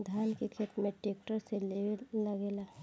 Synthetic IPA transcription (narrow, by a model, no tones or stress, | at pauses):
d̪ʱaːlkekʰet̪meʈek̚ʈəɾseleləɡela